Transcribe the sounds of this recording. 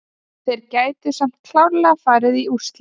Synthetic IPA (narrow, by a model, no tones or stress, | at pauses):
θejɾcaːjt̪ʏsam̥t̪̚kʰl̥awɾlɛɣafaːɾɪðiust̪l